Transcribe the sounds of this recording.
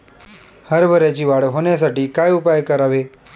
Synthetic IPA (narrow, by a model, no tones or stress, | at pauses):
həɾʋəɾed͡ʑiʋaːɽɦoːnjas̬aʈiːkaːjʊpajkəɾaːʋeː